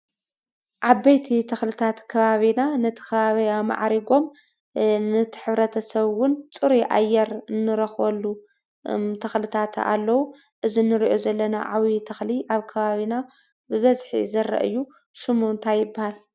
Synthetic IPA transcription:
ʔabːɐjt̪ʰit̪ʰɐxlɨt̪ʰat̪kʰɐβaβinanɐt̪ʰɨ̥kʰɐβaβiama̰ʕɾiɡo̞m | nɨt̪ʰɨ̥ħɨβɾɐt̪ʰɐsɐβwʊnt͡sʼɨɾiʔa̰jːɛɾɨnːɨɾɐxwɐlːu | t̪ʰɐxlɨt̪ʰat̪a̰lːɐwu | ʔɨzinːɨɾiʔo̞zɐlːɐna̰ʕawit̪ʰɐxliʔaβkʰɐβaβina | bɨβɐzħḭzɐɾɐ̰ʔɨ̰jːu | sɨmunt̪ʰajːɪbːahal

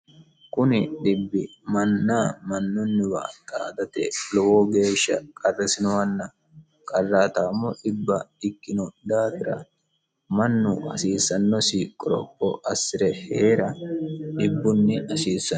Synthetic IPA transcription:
kʼʊnɪɗɪbːɪmɐnːaːmɐnːʊnːɪwa̰t̪ʼaːd̪ɐt̪ɛ̰lɔwoɡe̞ːʃːɐ̰kʼɐrːɛsɪnɔwɐnːɐ | kʼɐrːaːt̪aːmːɔʔɪbːɐɪkːɪnɔd̪aːt̪ɪɾɐ̰ | mɐnːʊɐsiːsːɐnːɔsiːkʼːɔɾɔ̰kʼːɔ̰ʔɐsːɪɾɛheːɾɐɗɪbːʊnːɪɐsiːsːɐ

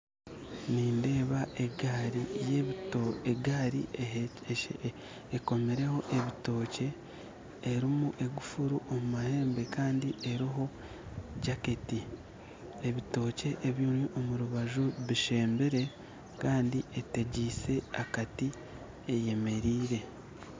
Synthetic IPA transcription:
niːnde̞ːβaʔeɡaɾijeeɡaɾḭ | eko̞meɾe̞ho̞ʔe̞βito̞ːce̞ː | ɾimuʔe̞ɡufuɾuʔo̞mumahe̞ːmbe̞kaːndiʔe̞ɾiɦo̞ | ɟaketi | eβito̞ːce̞ʔːβjuːnuʔo̞muɾuβaʒuβiʃe̞ːmbiɾe̞ | kaːndiʔeteɟiːse̞akati | eje̞me̞ɾiːɾe̞

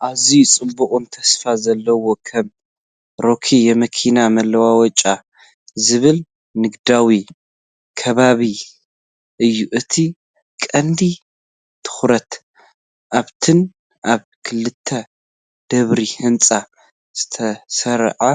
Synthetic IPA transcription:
ʔaβzit͡sʼɨbːukʼunt̪ʰɐsfazɐlːɐwo̞kʰɐm | ɾo̞kʰijɛmɐkʰinamɐlːɐwawɔt͡ʃʼa | zɨβɨl | nɨɡd̪awi | kʰɐβaβi | ʔɨjːuʔɨt̪ʰi | kʼɐnd̪i | t̪ʰɨ̥xɾɐt̪ | ʔaβt̪ʰɨn | ʔaβ | kʰɨlːɨt̪ʰːɐ | d̪̥ɐβɾihɨnt͡sʼa | z̥ɨ̥t̪ʰɐsɐɾʕa

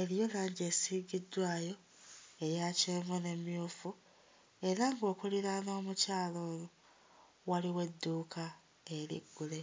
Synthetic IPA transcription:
eɾjo̞laːɲɟe̞siːɡidːwaːjo̞ | e̞jacimune̞mjuːfu | e̞ɾaŋɡo̞ːkuliɾano̞ːmucaːloːjo | waliwe̞dːuːka | e̞ɾḭɡːule

